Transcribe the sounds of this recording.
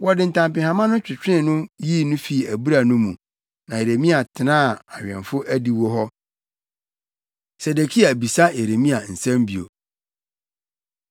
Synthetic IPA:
wɔ˨dɪ˨n̩˨tʰã˨mpɪ̃˨hã˨mã˦nʊ̃˦t͡ɕᶣɪ˨t͡ɕᶣɪ̃˦˨nʊ̃˦ji˦˨nʊ̃˦fi˨æ˨bu˦ɾa˨nʊ̃˦mũ˨ | nã˨e˨ɾe˨mĩ˦a˨tʰɪ˨nãː˦˨a˨ɥᶣɛ̰̃˨nfʊ˦ʔæ˦di˨wo˦ɦɔ˦ | sɛ˨de˨kʰi˦a˨bi˨sa˦e˨ɾe˨mĩ˦a˨n̩˨sɛ̃˦mbi˨o̰˨

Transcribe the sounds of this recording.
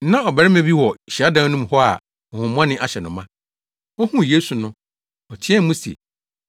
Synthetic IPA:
nã˦ɔ˨bɛ˨ɪ˦mɛ̃˨bi˦wɔ˨ɕi˨a˦dã˨˦nũ˦m˨hɔ˦a̰˨ | ɔ˨hʊ̃˨mʊ̃˦ã˦nɪ̃˦ʔa˨ɕɛ˨nʊ̃˨mã˦ | ɔ˦hũ˦˨je˦su˨nʊ̃˦ | ɔ˨t͡ɕʰɪ˦ɛ˦mũ˦sɛ̰˨

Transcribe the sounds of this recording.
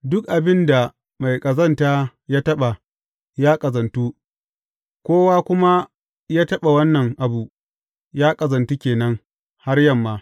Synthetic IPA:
dʊ˦kʔa˨bɪ˦nda˨ | ma˨jkʼɐ˨zɐ˦˨ntaː˦ | jaː˦tɐ˦ɓa˨ | jaː˦kʼɐ˨zɐ˨ntu˦ | kʷoː˦waː˦kʷʊ˦ma˦ | jaː˦tɐ˦ɓa˨wɐ˦nːɐ˨ŋʔa˨bu˨ | jaː˦kʼɐ˨zɐ˨ntu˦kʲeː˨nɐ˦ŋ | ha˦rjɐ˦mːaː˨

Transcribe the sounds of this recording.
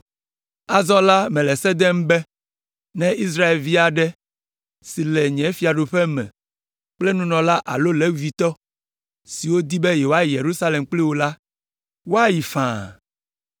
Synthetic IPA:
a˨zɔ˦la˦mɛ̃˨lɛ˨sɛ˦d̪ɛ˦m˦bɛ˦ | nɛ̃˦i˦s̬ɾa˦e˨lvi˦a˨ɖɛ˦ | si˨lɛ˨ɲɛ̃˨˦fi˨a˨ɖo˨ɸɛ˦mɛ̰̃˨ | k͡plɛ˦nũ˦nɔ̃˨la˦ʔa̰˨lo˦lɛ˦vi˨t̪ɔ˦ | si˨wo˦d̪i˦bɛ˦jɛ˨wo˦a˦ji˨je˨ɾu˦sa˦le˨mk͡ple˦wo˦la˦ | wo˦a˦ji˨fã̰˨

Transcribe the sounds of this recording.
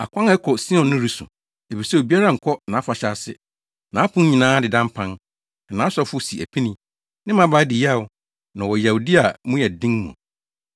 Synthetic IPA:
a̰˨kʷʰã˦ŋ˨ɛ˦kʰɔ˨si˦ɔ̃˨nːʊ̃˦ɾi˦sʊ̰̃˨ | e˨fi˨sɛ˦o˨bi˦a˦ɾa˦˨ŋ̩˨kʰɔ˦nã˨˦fa˨ɕa˦sɪ̰˦ | nã˨˦pʰʊ̃˦ɲĩ˨nãː˦dɪ˨dã˦m˦pʰã˦n | ɛ˨nã˨˦sɔ˦fʊ˦si˨ʔæ̰˨pʰĩ˦nĩ˦ | nɪ̃˦mã˦ba˨˦dɪ˨ja˦˨wʊ˨ | nã˨wɔ˨ja˨wu˨di˦a˨mʊ̃˦jɛ˨dĩ˦ŋmṵ̃˨

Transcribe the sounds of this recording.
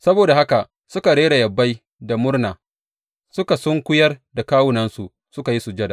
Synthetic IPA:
sɐ˦boː˨da˨ha˦ka˨ | sʊ˦ka˨ɽeː˦ɽa˨jɐ˨bːa˦j | da˨mʊ˦rnaː˨ | sʊ˦ka˨sɔ˦ŋkʷʊ˦jɐ˦rda˨kaː˦wʊ˦nɐ˦nsu˨ʔ | sʊ˦ka˨ji˦su˨d͡ʒɐ˦da˨

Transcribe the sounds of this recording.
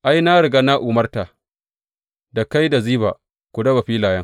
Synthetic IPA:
ʔa˦jna˦ɽɪ˨ɡaː˦na˦ʔʊ˨mɐ˦rta˨ | da˨ka˦jda˨ziː˦ba̰˨ | kʷʊ˨dɐ˦ba˨ɸiː˦laː˨jɐ˦ŋ

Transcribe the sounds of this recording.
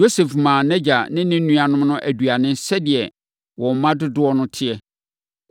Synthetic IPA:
o˦sɛ˨fmãː˨nɛ˦d͡ʑa˨nɪ̃˦nɪ̃˦nũ˦a˨nʊ̃˦m˦nʊ̃˦ʔæ˨du˨a˨nɪ̃˦n˦sɛ˦dɪ˨ɛ˨ | wɔ̃˨m˨mã˦dʊ˦dʊ˦ɔ˦nʊ̃˦tʰɪ˦ɛ˦

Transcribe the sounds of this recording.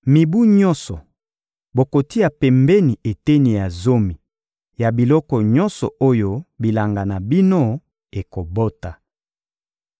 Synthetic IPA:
mi˨bu˦ɲɔ̃˦nsɔ˨ | bo˨ko˨ti˦ja˨pɛ˨mbɛ˦ni˨e˨te˦ni˨ja˨zo˦mi˨ | ja˨bi˨lɔ˦kɔ˨ɲɔ̃˦nsɔ̰˨o˦jo˦bi˨la˨ŋɡa˨na˨bi˦no˦ | e˨ko˨bo˦ta˨

